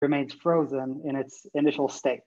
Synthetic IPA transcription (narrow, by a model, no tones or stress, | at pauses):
ɹɨmẽɪ̃nz̥fɹoʊzɨ̃nɪ̃nɨtsɨnɪʃl̩ˠsteɪt̚